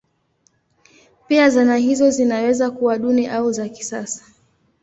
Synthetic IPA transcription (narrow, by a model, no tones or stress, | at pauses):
piazanaɦizɔzinawɛzakuwaɗuniʔauzaki̥sasḁ